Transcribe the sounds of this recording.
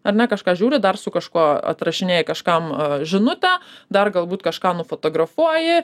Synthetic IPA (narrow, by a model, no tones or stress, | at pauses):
ɐɾnʲɛkɐʃkɑːʒʲuːɾʲɪd̪ɐrsʊkɐʃkuɔɐ̰t̪ɾɐʃʲɪnʲeːjɪkɐʃkɐmʒʲɪnʊt̪ʲɛd̪ɐrɡɐlˠbuːt̪kɐʃkɑːnʊfoːt̪oːɡɾɐfuɔjɪ